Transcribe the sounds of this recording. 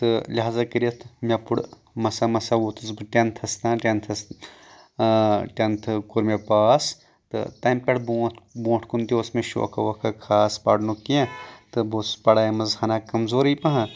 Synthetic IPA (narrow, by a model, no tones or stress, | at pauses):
t̪ɨlʲiɦaːzakɨɾiɐt̪ʰmʲɐpuɽ | mɐsamɐsaʋoːt̪ɨsbɨʈʲɐnt̪ʰɐst̪ãːʈʲɐnt̪ʰɐs | ʈʲɐnt̪ʰɨkoɾmepaːs | t̪ɨ̰t̪ɐmpʲɐɽboːt̪ʰbõːʈʰkunt̪iosmeʃo̰ːkʰɐ̰ʋɐkʰɐkʰaːspa̰ɖnukiẽt̪ɨbospɐɽaːjimɐzhɐnaːkɐmzoːɾijpɐ̃ɦa